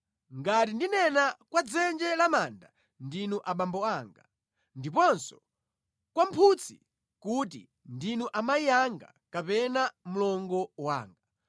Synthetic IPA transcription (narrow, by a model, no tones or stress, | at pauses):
ŋɡatindinɛnakwad͡zɛnd͡ʒɛlamaːnda | ndinuʔaɓambɔaːŋɡa | ndipɔnsɔ̥ | kwampʰut͡sʰi | kut̬ḭ | ndinuʔamajiaŋɡa̰kapɛnamulɔŋɡɔwa̰ːŋɡa